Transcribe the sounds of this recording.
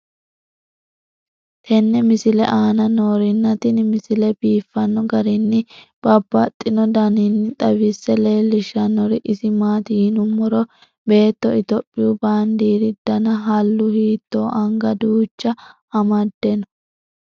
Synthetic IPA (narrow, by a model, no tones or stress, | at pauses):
t̪ʰɛnːɛmɪsɪlɛ̰ʔaːnɐnoːɾɪnːɐt̪ɪnmɪsɪlɛbiːfːɐnːɔɡɐɾɪnːɪb̥ɐbːɐt̪ʼːɪnɔd̪ɐnɪnːɪt̪ʼɐwɪsːɛle̞ːlːɪʃɐnːɔɾɪʔɪsɪmaːt̪inʊmːɔɾɔ | be̞ːt̪ːɔɪt̪ɔpʼːɪjubaːnd̪iːɾɪd̪̥ɐnɐɦɐlːʊhiːt̪ːoːʔɐŋɡɐd̪uːt͡ʃːɐ | ɐmɐd̪ːɛnɔ̥